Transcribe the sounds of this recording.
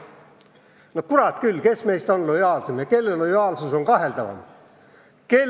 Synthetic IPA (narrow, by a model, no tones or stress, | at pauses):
nokuɾɑt̪kylːke̞sme̞jst̪o̞nlo̞jɑːlsemjɑke̞lːelːo̞jɑːlsuso̞ŋkɑɦe̞ld̪ɑvɑ̰m | ke̞